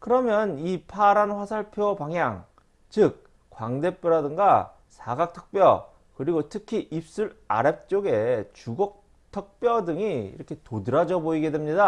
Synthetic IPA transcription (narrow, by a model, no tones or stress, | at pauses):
kɯɾʌmjʌnipʰaɾanɸwasʰaɭpʰjopaŋjaŋ | t͡ɕɯk̚ | k͈ːwaŋde̞p͈oɾadɯŋɡa | sʰaɡak̚tʰʌk̚p͈jʌ̰ | kɯɾiɡotʰɯkʰiʔip̚s͈uɾa̰ɾep̚t͡ɕ͈oɡe̞t͡ɕuɡok̚ | tʰʌk̚p͈jʌdɯŋiḭɾʌkʰe̞todɯɾad͡ʑʌboiɡe̞dwemɲida